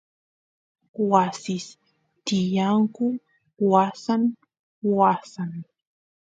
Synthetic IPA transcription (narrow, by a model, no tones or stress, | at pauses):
wasɪs | t̪ɪjaŋkʊ | wasan | wasan